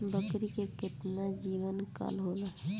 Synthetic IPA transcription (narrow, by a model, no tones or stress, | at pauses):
bəkɾikekɪt̪nad͡ʒiːʋənka̰lɦoːnaɦɛ